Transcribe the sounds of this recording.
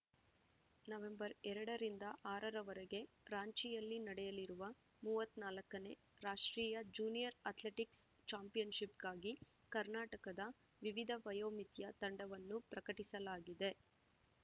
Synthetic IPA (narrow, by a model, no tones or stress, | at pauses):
nɐʋe̞mbɐɾɛɾɐɽɐɾind̪ɐʔaːɾɐɾɐʋɐɾeɡe̞ | ɾaːɲt͡ʃijɐlːinɐɽɛjɐliɾuʋɐ | muːʋɐt̪ːnaːlɐkːɐne̞ | ɾaːʂʈɾiːjɐd͡ʒuːnijɐɾɐt̪leʈiks | t͡ʃaːmpijɐnʃipɡaːɡi | kɐɾnaːʈɐkɐd̪ɐ | ʋiʋid̪ʱɐʋɐjoːmit̪jɐt̪ɐɳɖɐʋɐnːupɾɐkɐʈisɐlaːɡid̪e̞